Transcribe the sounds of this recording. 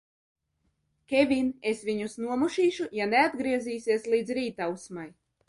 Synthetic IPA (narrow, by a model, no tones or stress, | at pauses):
kʲevʲinesvʲiɲusnuɔmuʃiːʃujanead̪ɡɾiɛziːsʲiɛslˠiːd̪zɾiːt̪awsmaj